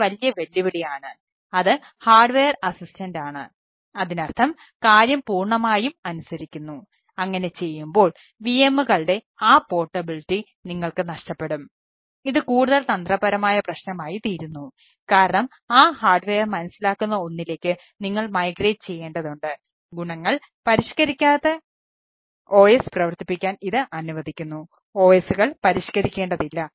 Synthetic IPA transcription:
ʋɐlijɐʋelːuʋiɽijaːɳɨ | ɐðɨ | haːrɖʋejɐrɐsistɐndaːɳɨ̰ | ɐðinɐrt̪ʰɐm | kaːɾjɐmpuːrɳɐmaːjumɐnusɐɾikʲːunːu | ɐŋːɐne̞t͡ɕe̞jːumbo̞ːɭ | ʋiemːuɣɐɭɽe̞ | aːpo̞ːʈːɐbilitːi | niŋːɐɭkɨnɐʂʈɐpːe̞ɽum | iðɨkuːɽuðɐlt̪ɐnd̪rɐbɐɾɐmaːjɐprɐɕnɐmaːjit̪iːɾunːu | kaːɾɐɳɐm | aːhaːrɖʋeːjɐrmɐnɐsilaːkːunːɐo̞nːile̞ːkʲːɨ | niŋːɐɭmɐjɡre̞ːʈɨt͡ɕe̞jːeːɳɖɐðuɳɖɨ | ɡuɳɐŋːɐɭ | pɐɾiɕkɐɾikʲːaːðe | o̞ːjesprɐʋɐrt̪ipːikʲːaːniðɨʔɐnuʋɐðikʲːunːu | o̞ːjesuɣɐɭpɐɾiɕkɐɾikʲːe̞ːɳɖɐðilːɐ

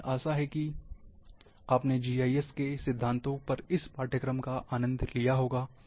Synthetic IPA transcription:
aːsaɦɛki | aːpned͡ʒiːaːiɛskesɪd̪ʱːãːnt̪õpɐɾɪspaːɾʈjəkɾəmkaʔaːnə̃nd̪ʱlijaɦoːɡaː

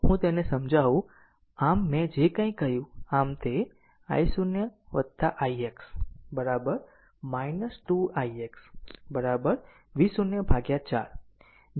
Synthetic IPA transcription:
ɦũt̪enesəmd͡ʒaʋũ | amːɛ̃d͡ʒekə̃ĩkːəɦjũamt̪e | a̰jsunjəʋəd̪t̪aʔaieksbəɾabəɾ | mainəsʈuaieksbəɾabəɾ | ʋisunjəbʱaɡjat͡ʃa̰ɾ

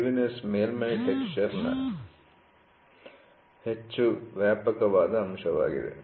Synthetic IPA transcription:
ʋinesmeːlmeniʈekt͡ʃɐɾnɐ̰ | het͡ʃːuʋjaːpɐkɐʋaːd̪ɐɦɐmʃɐʋa̰ːɡḭd̪ḛ

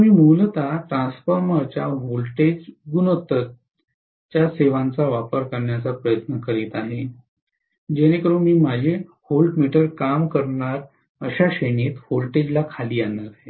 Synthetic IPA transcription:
miːmult̪aʈɾãnsfəɾməɾt͡ɕaɦolʈed͡ʑɡunot̪ət̪ | t͡ɕjaseʋãnt͡saʋapəɾkəɾɳjat͡sapɾəjət̪nəkəɾiːt̪aɦe | d͡ʑeñekəɾuːnmiːmad͡ʑʱe | holɖmiʈəɾkamkəɾɳaɾ | əɕaɕeniːt̪holʈed͡ʑlakʰaliːanːaɾaɦe

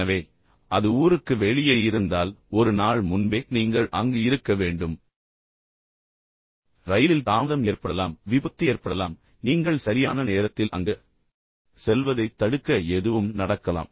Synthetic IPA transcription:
ɐʋeː | ʔɐðɯuːɾɯkːɯʋɛɭɪjɐjɪɾɯnd̪aːlɔɾɯnaːɭmʊnbeːniːŋɡɐɭʔɐ̰ŋɡɯɪɾɯkːɐʋeːɳɖɯm | ɾɐjɪlɪlt̪aːðɐmeːɾpɐɽɐlaːmʋɪbɐt̪ːɪeːɾpɐɽɐlaːm | niːŋɡɐɭsɐɾɪja̰ːnɐneːɾɐt̪ːɪlʔɐ̰ŋɡɐ | sɛlʋɐðɐɪt̪ːɐɽɯkːɐɛðɯʋɯmnɐɽɐkːɐla̰ːm

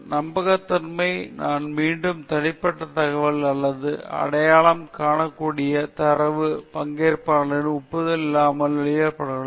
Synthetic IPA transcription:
nɐmbɐɣɐt̪ːɪnmɐɪnaːnmiːɳɖɯmt̪ɐɽɪpːɐʈːɐt̪ɐɣɐʋɐlɐlːɐðɯɐ̰ɽɐjaːɭɐmkaːɳɐkːuːɽɪjɐt̪ɐɾɐʋɯpɐŋɡeːɾpaːlɪnʊpːɯðɪlɪlːaːmɐlʋɪɭɪjɐɾpɐɽɐɣɐɭ

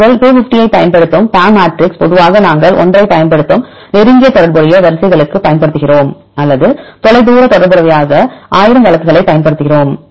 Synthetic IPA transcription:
ɐɭpeːfɪfʈɪjɐɪpːɐjɐnpɐɽɯt̪ːɯmpaːmaːʈrɪkspɔðɯʋaːɣɐnaːŋɡɐɭʔɔ̰ndrɐɪpːɐjɐnpɐɽɯt̪ːɯm | nɛɾɯŋɡɪjɐt̪ɔɽɐɾbɔɾɪjɐʋɐɾɐsɐɪɣɐɭɯkːɯpɐjɐnpɐɽɯt̪ːɯɣɪroːm | ɐlːɐðɯt̪ɔɭɐɪd̪uːɾɐt̪ɔɽɐɾbɔɾɐʋɐjaːɣɐʔaːjɪɾɐmʋɐɭɐkːɯɣɐɭɐɪpːɐjɐnpɐɽɯt̪ːɯɣɪroːm

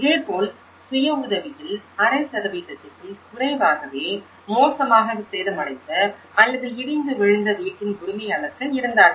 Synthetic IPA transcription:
eːɾpoːl | sʊjɐʊðɐʋɪjɪlɐɾɐɪsɐɾɐʋiːtɐt̪ːɪkːɯlkʊrɐɪʋaːɣɐʋeː | moːsɐmaːɣɐʋɯseːɾɯmɐɽɐɪt̪ːɐ | ɐlːɐðɯɪɾɪnd̪ɯʋɛɻɯnd̪ɐʋiːkːɪnkʊɽʊmɐjɐnɐkːɐɪɾɯnd̪aːɾ

